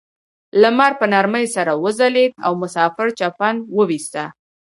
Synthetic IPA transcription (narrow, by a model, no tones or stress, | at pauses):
lamaɾpənaɾməjsaɾawəzaled̪a̰wmʊsɑfɪɾt͡ʃapanwəwist̪a